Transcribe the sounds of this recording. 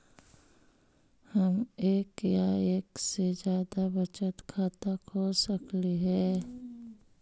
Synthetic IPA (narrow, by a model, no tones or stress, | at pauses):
həmeːkjaeːksed͡ʒjaːd̪abət͡ʃət̪kʰaːt̪əkɦosəkliɦɛː